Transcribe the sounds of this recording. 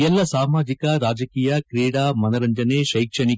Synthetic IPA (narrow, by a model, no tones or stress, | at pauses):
ɛlːɐsaːmaːd͡ʒikɐɾaːd͡ʒɐkiːjɐkɾiːɽaːmɐnɐɾɐɲd͡ʒɐneːʃɐjkʂɐɳi